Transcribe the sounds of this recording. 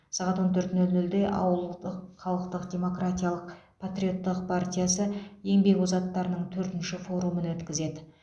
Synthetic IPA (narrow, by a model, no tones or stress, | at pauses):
sɑʁɑt̪wo̞nt̪ʰɵɾt̪nɵlnɵld̪e̞ʔɑ̰wəlˠd̪əqχɑlˠəqt̪əqd̪ʲe̞mo̞krat̪ʲijalˠəq | pʰat̪ɾʲijo̞t̪ːəq̚pʰart̪ʲijasəje̞ŋbe̞kuzɑt̪ːɑɾənəɴt̪ʰɵɾt̪ɪnʃɪfo̞ɾumənwɵt̪kʲɪze̞d̪ɪ